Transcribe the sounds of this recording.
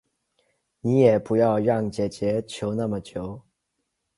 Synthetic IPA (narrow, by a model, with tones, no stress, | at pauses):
ni˧˥jɛ˨˩pu˧˥jɑ˥˧ʊɻɑ˥˩ŋt͡ɕjɛ˨˩t͡ɕjɛ˧˥t͡ɕʰjo˧˥ʊna˥˩mə˩t͡ɕʰjo˧˦ʊ